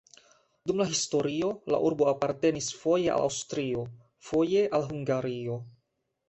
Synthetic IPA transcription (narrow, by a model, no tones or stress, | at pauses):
dumlaɦisto̞ɾio̞la̰ʔuɾbo̞apaɾte̞nisfo̞je̞ʔa̰lʔa̰wstɾio̞ | fo̞je̞ʔalɦuŋɡaɾio̞